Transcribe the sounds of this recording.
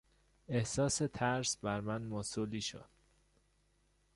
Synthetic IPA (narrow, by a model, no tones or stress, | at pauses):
e̞hsɒːse̞t̪ʰæɾsbæɾmænmosuliːʃo̰d̪̥